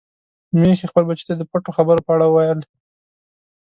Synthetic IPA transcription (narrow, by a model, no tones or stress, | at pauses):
mexexpəlbat͡ʃi̥t̪ad̪əpaʈoxabəɾopəaɽawəwajəl